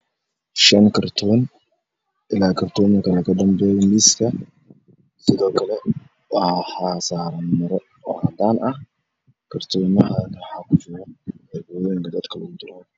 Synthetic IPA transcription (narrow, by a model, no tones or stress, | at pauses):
ʃɐnkʰɐrt̪ʰɔːn | ʔɪlaːkʰɐrt̪ʰɔːmɐkʰɐlɐkɐd̪ɐmbɛːjɛmiskʰɐ | sɪðɔːkʰɐlɛ | wħaːsaːɾɐnmɐɾɔ | ɔhad̪aːnɐh | kʰɐrt̪ʰɔːnɐɦɐnwɑħaːkʰʊfʊɾɐʕɪbɔːjɛːŋkʰɐd̪ɐd̪kʰɐlɔɡʊd̪ɪɾan